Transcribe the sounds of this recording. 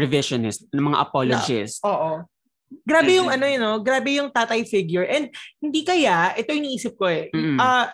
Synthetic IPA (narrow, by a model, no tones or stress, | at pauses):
ɹɛvɪʃonɪst̪̚nɐŋmɐŋa̰ʔɐpolod͡ʒɪ̰st̪oːʔo | ɡɾaːbɛjʊŋʔɐno̞jɐno̞ɡɾaːbɛjʊŋt̪aːt̪ɐjfɪɡjʊɹʔɛnd̪̚hɪnd̪iːkɐjaʔɛt̪ojʊ̃ŋniʔiːsɪp̚ko̞ɛɐ